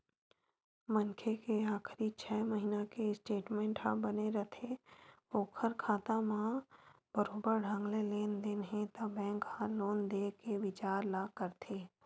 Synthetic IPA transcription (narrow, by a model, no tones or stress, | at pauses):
mənkʰekeaːkʰɾit͡ʃʰɛːməɦinakeɪsʈeːʈmẽːɳʈɦãbəneɾɐt̪ʰeoːkʰəɾkʰaːt̪amã | b̥əɾoːbəɾɖʱə̃ŋɡleleːnd̪enəɦẽt̪abɛ̃ːŋkhãloːnd̪eːkeʋɪt͡ʃaːɾlaːkəɾt̪ʰeː